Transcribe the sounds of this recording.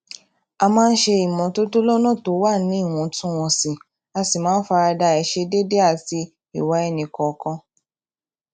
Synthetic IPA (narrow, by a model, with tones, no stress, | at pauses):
a˧mãː˦n̩˦ʃe˧i˨mɔ̃˨to˦to˦lɔ˦nɔ̃˦˨to˨˦wa˦˨nĩ˨˦i˦˨w̃ɔ̃˧tũ˦w̃ɔ̃˧si˨ | a˧si˨mãː˨˦n̩˦fa˧ɾa˧da˧ɛ˨ʃe˧de˦de˦a˦˨ti˧˦ | ḭ˦˨wa˨˦ɛ˦˨nĩ˨kɔ˨˧kɔ̃˧